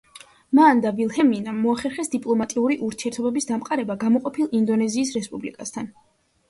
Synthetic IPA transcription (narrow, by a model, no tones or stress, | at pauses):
mand̪avilˠhɛminamːɔaχɛɾχɛsd̪ipʼlˠɔmat̪ʼiuɾiʔuɾt̪ʰiɛɾt̪ʰɔbɛbisd̪amqʼaɾɛbaɡamɔqʼɔpʰilˠind̪ɔnɛziːs̬ɾɛspʼublikʼast̪ʰan